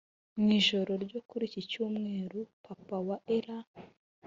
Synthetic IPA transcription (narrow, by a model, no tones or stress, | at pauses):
mŋiːʒo̞ɾo̞ɾɟokuɾicicuːmŋe̞ːɾupʰapawaʔeɾa